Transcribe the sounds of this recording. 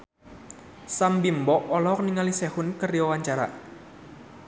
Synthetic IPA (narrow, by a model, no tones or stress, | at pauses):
sambimbɔʔɔlɔk̚niŋalisɛhʊnkəriɔwaɲt͡ʃaɾa̰